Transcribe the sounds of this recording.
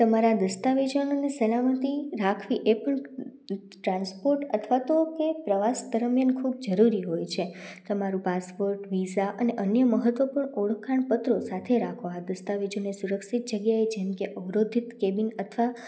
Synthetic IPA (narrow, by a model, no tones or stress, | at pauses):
t̪əmaɾad̪əst̪aʋid͡ʒənonesəlamət̪iɾakʰʋiʔepəɳ | ʈɾãnspoɾʈət̪ʰʋat̪okepɾəʋasd̪əɾmjankʰub̚d͡ʒəɾuɾiɦojt͡ʃʰet̪əmaɾũpaspoɾʈʋizaʔəneʔənjəməɦət̪ʋəpuɳoɭkʰːaɳpət̪ɾosat̪ʰeɾakʰoad̪əst̪aʋid͡ʒonesuɾəkʃit̪̚d͡ʒəɡjaed͡ʒemkeʔəʋɾod̪ʱit̪kebinət̪ʰʋa